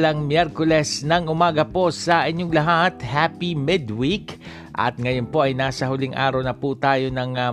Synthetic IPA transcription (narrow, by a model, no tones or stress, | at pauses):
lɐŋmjɛɾkolɛsnɐŋʊmaːɡɐpo̞sɐʔɪɲːoŋlɐɦat̪hapimɪd̪wik | ʔɐ̰t̪̚ŋɐjonpo̞ʔɐjnaːsɐhʊlɪŋʔa̰ːɾɐwnɐpuːt̪aːjo̞nɐŋ